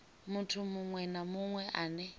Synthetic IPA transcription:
mutʰumuŋwɛnamuŋwɛʔaːnɛ

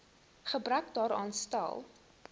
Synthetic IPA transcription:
χəbɾœk̚dɑːɾɑːnstæ̰lˠ

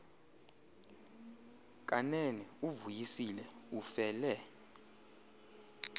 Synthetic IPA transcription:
k̬ʼanɛnɛuvujisilɛufɛːlɛ

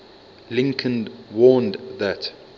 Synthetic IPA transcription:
lɪ̃ŋkʰə̃nwɔːndðæt

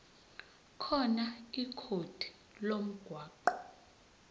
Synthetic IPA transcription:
kʰɔnaikʰod̥ʰʱi̥ | lom̩ɡ̥ʱwaːǃɔ

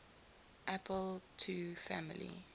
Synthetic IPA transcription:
ʔapʰəltʰufamilḭ

